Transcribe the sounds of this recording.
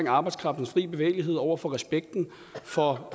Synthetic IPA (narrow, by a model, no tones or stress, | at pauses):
ŋɑ̈ːb̥ɑ̈ɪdskʰʁɑ̈fd̥n̩sfʁḭːb̥e̝ʋḛɪliɦe̝ð̞̰ˠɒʊ̰ɐfɒ̽ʁɛsb̥eɡ̥̚d̥n̩ | fɒ̽